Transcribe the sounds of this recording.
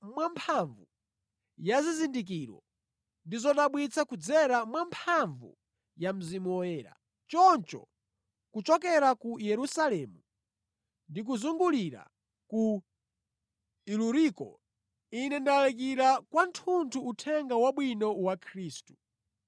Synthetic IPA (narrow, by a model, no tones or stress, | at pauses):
mwampʰaɱvu | jazizindik̬iɾɔ̰ | ndizɔtaɓwit͡sʰakud͡zɛɾamwampʰaɱvṵ | jam̩zimuɔɛːɾa̰ | t͡ʃɔnt͡ʃɔ̰ | kut͡ʃɔkɛɾakujɛɾusalɛmu | ndik̬uzuŋɡuliɾa̰ | ku | iluɾikɔ̰ | inɛndalɛk̬iɾakwantʰuntʰuːtʰɛŋɡawaɓwinɔwakʰɾiːstu̥